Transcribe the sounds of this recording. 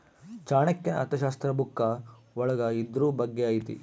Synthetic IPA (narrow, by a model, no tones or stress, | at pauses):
t͡ʃaːɳɐkːɐnɐ̰t̪ɐʃaːst̪ɾɐbukːɐ | ɔɭɐɡɐid̪ɾuːbɐɡːeaːjit̪ḭ